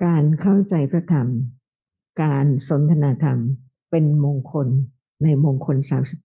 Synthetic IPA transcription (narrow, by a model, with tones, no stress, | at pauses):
kaː˧nkʰa˥˩wt͡ɕa˧jpʰɾa˧˥t̪ʰa˧˩m | kaː˧nso˨˩˦nt̪ʰa˧naː˧t̪ʰa˧m | pe˧nmoː˧ŋkʰo˧nː | a˧jmoː˧ŋkʰo˧nsaː˩˦msi˨˩p̚